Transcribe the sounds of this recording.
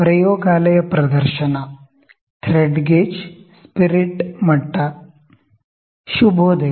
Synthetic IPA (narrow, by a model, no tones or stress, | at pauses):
pɾɐjoːɡaːlɐjɐpɾɐd̪ɐɾʃɐnɐ | t̪ʰɾeɖɡeːd͡ʒspiɾiʈmɐʈːɐ | ʃubʱoːd̪eː